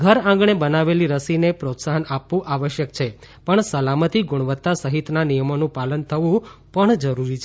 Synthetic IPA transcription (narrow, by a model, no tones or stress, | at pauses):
ɡʱəɾãŋɡɳ̃ebənaʋeliɾəsinepɾot̪saɦənapʋũʔaʋəʃjək̚t͡ʃʰe | pəɳsəlamət̪iɡʊɽ̃ʋət̪ːasəɦit̪nanijəmonũpalənt̪ʰəʋũpəɳd͡ʒəɾuɾit͡ʃʰe